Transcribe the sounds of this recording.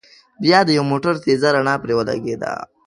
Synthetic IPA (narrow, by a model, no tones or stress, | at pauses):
bjɑd̪əjawmoʈaɾt̪ezaɾaɳɑpɾewəla̰ɡed̪a̰